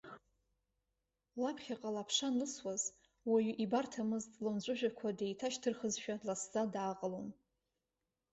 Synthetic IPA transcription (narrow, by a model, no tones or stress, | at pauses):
lapʰχʲaqʼalapʰʂanlɨswaz | wajʔibartʰamɨztʼlɨnd͡ʒʷʼʊʒᶣakʷʰadejtʰaʃtʰɨrχəzʃᶣadlasd͡zadaːqʼəlon